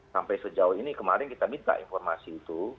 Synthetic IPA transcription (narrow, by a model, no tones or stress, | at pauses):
sampajsəd͡ʒaʊinikəmaɾɪnkit̪amint̪a̰ʔḭnfɔrmasiːt̪u